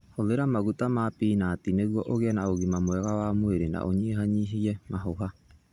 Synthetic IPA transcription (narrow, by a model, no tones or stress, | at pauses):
hoðeɾamaɣutamapiːnaːtineɣwɔʔoɣeɛnaoɣimamwɛɣawamweɾena̰ʔoɲeɦaɲiɦiɛmaɦoɦa